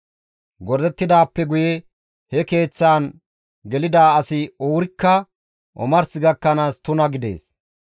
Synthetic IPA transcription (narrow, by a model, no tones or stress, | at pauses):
ɡɔɾd̪ɛt̪ːɪd̪aːpːɛɡʊjɛ | hɛke̞ːt͡sːaːn | ɡɛlɪd̪aːɐsɪoːɾɪkːɐ | ʔɔ̰mɐɾsɪɡɐkːɐnaːst̪ʊnɐɡɪd̪ḛːs